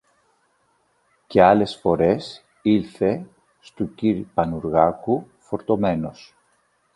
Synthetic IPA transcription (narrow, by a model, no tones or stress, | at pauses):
ce̞ɐle̞sfo̞ɾe̞s | ilθe̞ | st̪uciɾipɐnuɾɣɐku | fo̞ɾt̪o̞me̞no̞s